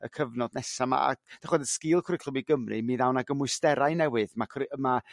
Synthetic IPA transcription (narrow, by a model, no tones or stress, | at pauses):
əkʰəvnɔdnɛsama̰a̰d̥aχwɛdəskɪːlˠkʰrɪkʰl̥ˠəwiɡəmrɨ̰miðawnaɡəmʊɨstɛɾajnɛwɨðmakʰma